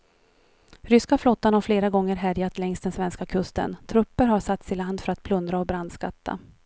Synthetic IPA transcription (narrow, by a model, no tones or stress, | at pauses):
ɾʏskaflɔt̪ːanhaɾfleːɾaɡɔŋːəɾɦæɾjat̪lɛŋst̪̚ɛnsvɛnskakʰɵst̪ə̰nt̪ʰɾɵpːəɾhaʂat̪sɪland̪fœɾat̪̚pʰlɵnd̪ɾaɔbɾand̪skat̪ʰːa̰